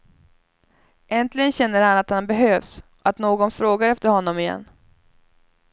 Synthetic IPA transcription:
ʔɛnt̪lɪɡənɕɛnːəɾhanat̪hanbɛɦøːvsɔat̪noːɡɔnfɾoːɡaɾɛft̪əɾhɔnːɔmɪjɛ̰nː

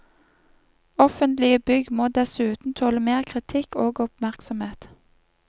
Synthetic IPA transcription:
ɔfənt̪lɪəbʏɡmoːd̪ɛsʉːt̪n̩t̪ʰoːləmeːʁkʰʁɪt̪ʰɪkoːɡʊp̚mæʁksɔmheːt̪

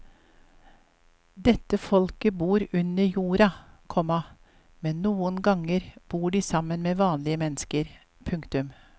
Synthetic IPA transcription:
d̪ɛt̪əfɔlkəbuːɾʉnəjuːɾɑkʰɔmɑ | mɛnnuːənɡɑŋəɾb̥uːɖiːsɑmənmeːʋɑːnlɪəmɛnəskəɾ | pʰʉŋkt̪ʉm

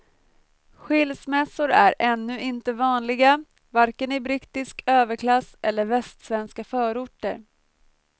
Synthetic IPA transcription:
ɧɪlsmɛsʊɾæɾɛnːɵʔɪnt̪əvɑːnlɪɡa | vaɾkənɪbɾɪt̪ːɪskʰøːvəɾkʰlasʔɛlːəɾvɛst̪svɛnskafœːɾʊʈːə̰ɾ

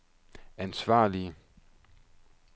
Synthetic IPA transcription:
ænsʋɑ̰̈ːliə

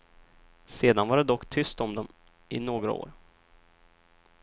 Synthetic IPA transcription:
seːd̪anvaɖɛd̪ɔkːt̪ʰʏst̪ɔmd̪ɔm | ʔɪnoːɡɾa̰o̰ːɾ

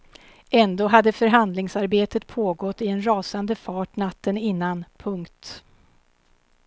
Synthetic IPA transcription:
ɛnd̪oːɦad̪ːəfœɾɦand̪lɪŋsaɾbeːt̪ət̪pʰoːɡɔt̪ːɪɛnɾɑːsand̪əfɑːʈnat̪ːənɪnːanpʰɵŋkt̪

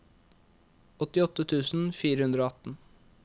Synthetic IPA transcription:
ɔt̪ɪɔt̪ːət̪ʰʉːsn̩fiːɾəhʉnd̪ɾoːɑt̪n̩

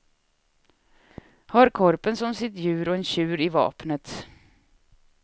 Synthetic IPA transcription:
hɑɾkʰɔɾpənsɔmsɪt̪jʉ̟ːɾɔɛnɕʉ̟ːɾɪvɑ̰ːpnət̪

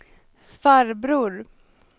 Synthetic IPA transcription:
faɾbɾuːɾ

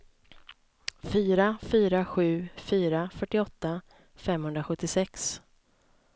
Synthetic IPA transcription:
fyːɾafyːɾaɧʉ̟ːfyːɾafœʈːɪɔt̪ːa | fɛmhɵnd̪ɾaɧɵt̪ːɪsɛks

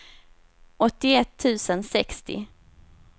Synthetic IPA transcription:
ʔɔt̪ːɪɛt̪ʰːʉ̟ːsənsɛkst̪ɪ̰

